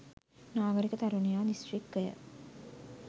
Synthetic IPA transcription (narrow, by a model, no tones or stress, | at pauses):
naːɡɐɾikɐt̪ɐɾunijaːnisʈɾikːɐjɐ̰